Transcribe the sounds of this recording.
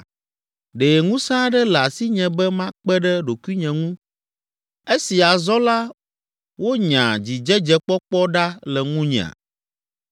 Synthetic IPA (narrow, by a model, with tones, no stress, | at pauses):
ɖe˨ŋũ˦sã˦ɖɛ˦lɛ˨a˨si˦ɲɛ̃˨bɛ˦mã˦k͡pɛ˦ɖɛ˦ɖo˨ku˦i˦ɲɛ̃˨ŋũ˦ | e˦si˨a˨zɔ˦la˦ | wo˦ɲã̰˨d͡ʑi˨d͡ʒɛ˦d͡ʒɛ˦k͡pɔ˦k͡pɔ˦ɖa˦lɛ˨ŋũ˦ɲɛ̰̃˨ã̰˨